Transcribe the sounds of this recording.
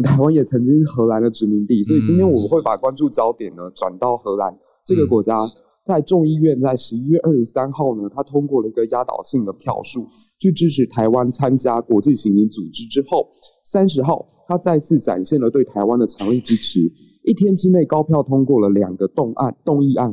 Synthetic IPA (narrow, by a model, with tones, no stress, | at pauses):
t̪ʰa˧˥ɪwa˥njɛ˨˩t͡sʰɤ˧˥ŋt͡ɕi˥ŋ˥˧xɤ˧˥la˧˥nd̪ə˨ʈ͡ʂɻ̩˧˥mi˧˥ŋt̪i˥˩swɔ˧˥i˨˩t͡ɕi˥nt̪ʰjɛ˥nwɔ˨˩˦xwe˥˩ɪpa˨˩kwa˥nʈ͡ʂu˥˩t͡ɕjɑ˥ʊt̪jɛ˨˩nə˦ʈ͡ʂwa̰˨˩nt̪ɑ˥˩ʊxɤ˧˥la˧˥n | ʈ͡ʂɤ˥˩ɡə˩kwɔ˧˥t͡ɕja˥ | t͡sa˥˧ɪʈ͡ʂʊ˥˧ŋi˥˧ɥɛ˥˧nt͡sa˥˩ɪʂɻ̩˧˥i˥ɥɛ˥˧ʔə˞˥˩ʂɻ̩˧˥sa˥nxɑ˥˩ʊnə˩t̪ʰa˥t̪ʰʊ˥ŋkwɔ˥˩lə˩i˧˥ɡə˨˩ja˥t̪ɑ̰˨˩ʊɕi˥˩ŋd̪ə˩pʰjɑ̰˥˧ʊʂu˥˩ | t͡ɕʰy˥˩ʈ͡ʂɻ̩˥ʈ͡ʂʰɻ̩˧˥t̪ʰa˧˥ɪwa˦nt͡sʰa˥nt͡ɕja˥kwɔ˧˥t͡ɕi˥˩ɕi˧˥ŋi˧˥nt͡su˨˩ʈ͡ʂɻ̩˥ʈ͡ʂɻ̩˥xo˥˩ʊ | sa˥nʂ̬ɻ̩˧˥xɑ˥˩ʊ | t̪ʰa˥t͡sa˥˧ɪt͡sʰɹ̩˥˩ʈ͡ʂa̰˨˩nɕjɛ˥˩nlə˩t̪we˥˩ɪt̪ʰa˧˥ɪwa˦nd̪ə˨ʈ͡ʂʰɑ˧˥ŋli˥˩ʈ͡ʂɻ̩˥ʈ͡ʂ̩ʰ˧˥ | i˥˩t̪ʰjɛ˥nʈ͡ʂɻ̩˥ne˥˩ɪkɑ˥ʊpʰjɑ˥˩ʊt̪ʰʊ˥ŋkwɔ˥˩lə˩ljɑ̰˨˩ŋɡə˦t̪ʊ˥˧ŋʔa̰˥˧nt̪ʊ˥˧ŋi˥˧a˥˩n